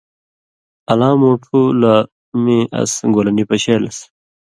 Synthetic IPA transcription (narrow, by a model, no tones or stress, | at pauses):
ɐlãːmoːʈʰula | miʔɐ̰sɡolɐnipɐɕeːlɐ̰s